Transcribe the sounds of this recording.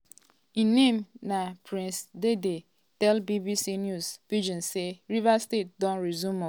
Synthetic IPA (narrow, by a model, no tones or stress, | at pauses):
ĩnẽmnapɾĩnsdede | tɛlbibisinjuzvid͡ʒɔ̃nseɾivastet̚dɔ̃nɹizũmɔ